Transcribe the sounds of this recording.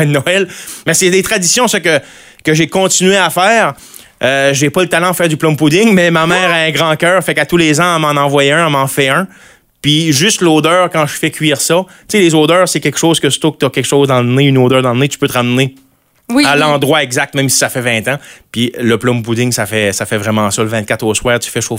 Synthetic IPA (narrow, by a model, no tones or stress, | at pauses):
ɛnɔɛlmɛsɛlet̪ʁad̪isjɔ̃səkə | kəʒekɔ̃t̪sinɥeafɛːʁ | øʒepɔlət̪alãd̪fɛːʁd̪yplɔ̃mpud̪ɪŋmɛmamɛːʁaɛ̃ɡʁɑ̃kʲœːʁfɛkat̪ulezãamɑ̃nɑ̃vwajɛ̃ãmɑ̃fɛœ̃ | piʒʏst̪loːd̪œːʁkɑ̃ʒfɛkʲʰɥiːʁsɔtt͡selezoːd̪œːʁsɛkʲɛkʃoːz̥kəst̪ok̚t̪ɔkʲɛkʃɔːzd̪ɑ̃ləneynoːd̪œːʁd̪ɑ̃lənet̪y̥pøt̪ʁamne | ialɑ̃d̪ʁwaɛɡzak̚t̪̚mɛ̃msi̥safɛvɛ̃t̪ãpiləplɔ̃mpud̪ɪŋsafɛsafɛvʁɛmɑ̃sɔləvɛ̃t̪̚kʲat̪oːswɛːʁt̪y̥fɛʃoːf